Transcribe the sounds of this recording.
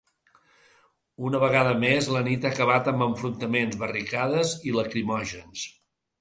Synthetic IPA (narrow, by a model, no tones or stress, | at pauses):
unəβəɣ̞aðəmezlənit̪aːkəβat̪əmbəɱfɾunt̪əmenzβərikaðəziləkɾimɔʒəns